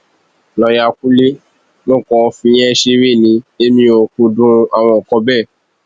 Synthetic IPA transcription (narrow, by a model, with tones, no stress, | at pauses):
lɔ˨ja˧˨ku˦li˦ | nõ˦˨kɔ˧fĩ˧˦j̃ɛ̃˦ʃe˧˦ɾe˦˨nĩ˨˦e˦mĩ˧o˧kũ˧dũ˦a˨w̃ɔ̃˧ɔ˨kɔ˧bɛ˦˨